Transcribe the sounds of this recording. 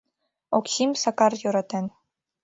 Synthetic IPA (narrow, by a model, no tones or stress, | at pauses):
oksʲimsɑkɑrjŏɾɑt̪en